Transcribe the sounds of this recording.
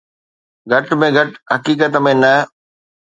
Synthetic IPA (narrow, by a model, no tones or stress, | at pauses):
ɡʱɐʈmẽɡʱɐʈɦɐkiːk̬ət̪mẽnɐ